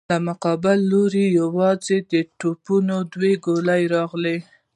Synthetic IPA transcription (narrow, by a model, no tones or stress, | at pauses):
lamʊqɑbɪlːoɾijawɑzed̪əʈopunod̪weɡolajɾɑɣle